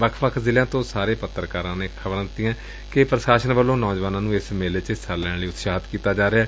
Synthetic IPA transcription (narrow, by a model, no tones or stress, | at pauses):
ʋəkʰʋəkʰzɪljãːt̪õːsaːɾeːpət̪ːəɾkaːɾãːneːkʰəbəɾə̃nt̪ɪ̃ãː | kɪpɾəʃaːʃənʋəlːõːnɔːd͡ʒʋaːnãːnũːɪsmeːlet͡ʃəsəlɛ̃liːʊt̪ʃaːɦt̪kiːt̪aːd͡ʒaːɾeaː